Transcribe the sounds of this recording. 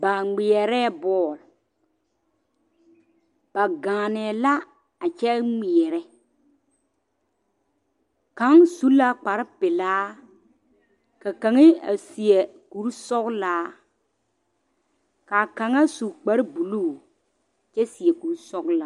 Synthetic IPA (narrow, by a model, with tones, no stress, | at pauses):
ba˨ŋ͡mɪ˨ɛ˨ɾɛː˦˨bɔː˦˨l | b̥a˨ɡãː˨nɛ˨la˦ | a˨t͡ʃɛ˦ŋ͡mi˨ɛ˨ɾɛ˦ | ka˨˦ŋsu˦la˦k͡pa˨ɾɪ˦pɪ˨laː˦ | ka˨ka˨ŋɪ˦a̰˨si˨ɛ˨ku˨ɾsɔ˦klaː˦ | ka˨ka˨ŋa˦su˨k͡pa˦ɾbu˨luː˦˨ | t͡ʃɛ˦si˨ɛ˨ku˨ɾsɔ˦ɡla˨